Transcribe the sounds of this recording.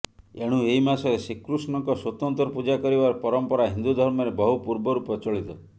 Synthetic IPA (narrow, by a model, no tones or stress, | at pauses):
eɽ̃ueɦimasɔɾesikɾusnɔŋkɔswot̪ɔnt̪ɾɔpud͡ʒakɔɾibaɾpɔɾɔmpɔɾaɦind̪ud̪ʱɔɾmɔɾebɔɦupuɾbɔɾupɔt͡ʃɔɭit̪ɔ